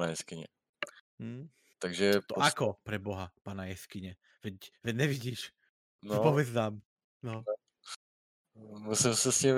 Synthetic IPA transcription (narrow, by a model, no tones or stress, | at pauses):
najɛskiɲɛ̰ | t̪aɡʒɛɔakɔpɾɛbɔɦapaːnajɛskiɲɛ | ʋɛcʋɛɟɲɛʋiɟiːʃ | nɔpɔʋɛd͡znaːm | nɔn | musimsɛsɲim